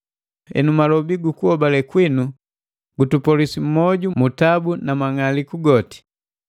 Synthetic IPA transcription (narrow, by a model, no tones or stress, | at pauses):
ɛ̰numalɔbiɡukuhɔbalɛkwinu | ɡutupɔlisim̩mɔɟumutabunamaŋalikuɡɔti̥